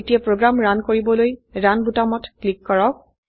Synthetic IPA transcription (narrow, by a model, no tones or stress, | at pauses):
tijapɹoɡɹamɹankoɹibɔlojɹanbutamɔtklikːɔɹɔk̚